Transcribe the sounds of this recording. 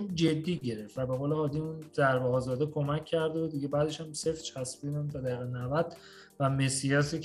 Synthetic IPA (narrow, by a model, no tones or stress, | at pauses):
d͡ʒe̞d̪ːiːɟe̞ɾeft̪væbe̞ɣoːlehɒːd̪iunzæɾbeɒːzɒːd̪ekʰo̞mæcʰʲːæɾd̪ebud̪ːiɟebæːd̪e̞ʃæmse̞ft͡ʃʰæsbinæmt̪ʰɒd̪æiɣenævæd̪̥ | væmesijɒːsi